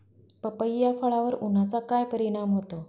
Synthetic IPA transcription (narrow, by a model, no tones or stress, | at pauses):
pəpəjːafəɭaʋəɾun̤at͡sakajpəɾiɽ̃amɦot̪o